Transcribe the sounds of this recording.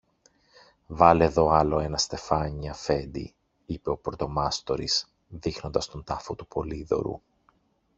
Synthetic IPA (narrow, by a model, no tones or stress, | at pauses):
vɐleðo̞ɐlo̞e̞nɐst̪e̞fɐɲiɐfe̞nd̪ḭ | ipe̞o̞pɾot̪o̞mɐst̪o̞ɾḭs | ðixno̞nd̪ɐst̪o̞nt̪ɐfot̪upʰo̞liðo̞̰ɾṵ